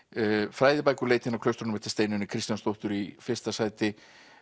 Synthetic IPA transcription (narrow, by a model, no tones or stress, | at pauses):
fɾaːjðɪpajkʏleːjt̪ɪnakʰlœwst̪ɾʏnʏmɛht̪ɪ̥st̪eːjnʏnɪkʰɾist̪janst̪owht̪ʏɾifɪr̥st̪asaːjt̪ɪ